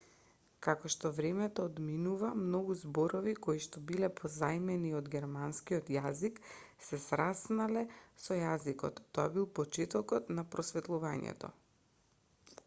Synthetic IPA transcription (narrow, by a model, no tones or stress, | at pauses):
kakɔʃt̪ɔvɾɛmɛt̪ɔːd̪minuvamnoɡuzboɾɔvikoiʃt̪ɔbilɛpʰɔzajmɛniod̪ɡʲɛɾmanskijot̪jazik | sɛsɾasnalɛsɔjazikɔt̪ːoabilˠpɔt͡ʃɛt̪ɔkɔt̪napɾɔsvɛt̪lˠuvaɲɛ̰t̪ɔ̰